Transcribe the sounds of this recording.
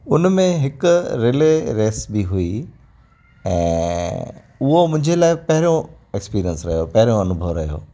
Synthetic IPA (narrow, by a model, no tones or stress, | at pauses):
ʊnmẽɦɪkʊɾeleɾeːsbʱiɦui | ɛ̰̃ː | ʊɦomʊ̃ɦɪ̃ɲd͡ʑelaːɪpɐɦɪɾijõ | ekspiːɾijənsɾɐɦjopɐɦɪɾijõɐnʊbʱəʋɾɐɦijo̰ː